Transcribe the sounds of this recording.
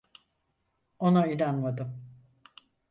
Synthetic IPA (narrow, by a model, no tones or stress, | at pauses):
o̞naylʲanmad̪ɯm